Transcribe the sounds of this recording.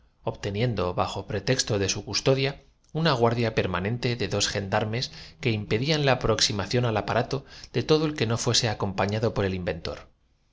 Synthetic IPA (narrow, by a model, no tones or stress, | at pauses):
o̞βt̪e̞nje̞nd̪o̞βaxo̞pɾe̞t̪e̞kst̪o̞ðe̞sukust̪o̞ðja | unaɣ̞waɾðjape̞ɾmanẽ̞nt̪e̞ðe̞ðo̞sxe̞nd̪aɾme̞ske̞impe̞ðianlaːpɾo̞ksimaθjo̞nalapaɾat̪o̞ð̥e̞t̪o̞ðoe̞lke̞no̞fwe̞se̞ako̞mpaɲaðo̞po̞ɾe̞limbe̞nt̪o̞̰ɾ